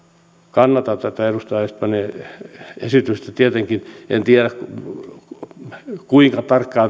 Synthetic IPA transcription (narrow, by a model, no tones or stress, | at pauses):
kɑnːɑt̪ɑt̪æt̪æerust̪ɑɑɑst̪̚pɑne | ḛsit̪yst̪æt̪iet̪eŋkinḛnt̪ieɾæk | kuiŋkɑt̪ɑrkːɑː